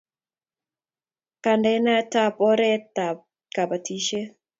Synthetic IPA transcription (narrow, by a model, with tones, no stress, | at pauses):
ka˨ndɛna˦ta˦pɔ˦ɾɛ˦ta˨ | ka˨pa˨ti˦ʃe˦